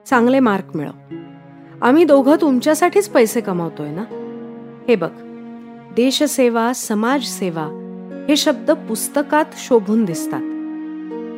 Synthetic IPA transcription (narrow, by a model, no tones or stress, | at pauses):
t͡sãŋɡlemaɾkmḭɭə̰ | a̰m̤iːd̪oɡʱət̪umt͡ɕjasaʈʰiːt͡spəjsekəmaʋt̪ojena | hebək | d̪eɕəseʋasəmad͡zseʋa | heɕəb̚d̪əpust̪əkat̪ɕobʱuːnd̪ist̪a̰t̪